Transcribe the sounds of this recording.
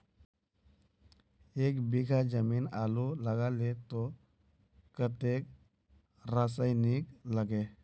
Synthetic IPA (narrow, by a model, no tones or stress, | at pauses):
eːkbiɡʱad͡ʒəminaluləɡalet̪o | kət̪ek | ɾasajnikləɡe